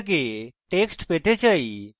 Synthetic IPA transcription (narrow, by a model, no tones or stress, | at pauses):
keʈeksʈpeʈ̪ʰet͡ɕai